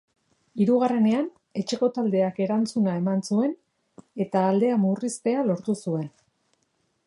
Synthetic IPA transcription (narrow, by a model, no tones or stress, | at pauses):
iɾuɣ̞are̞ne̞an | e̞t͡ʃe̞ko̞t̪ald̪e̞ake̞ɾant͡sunae̞mansue̞n | e̞t̪aːld̪e̞amurist̪e̞alo̞ɾt̪usue̞n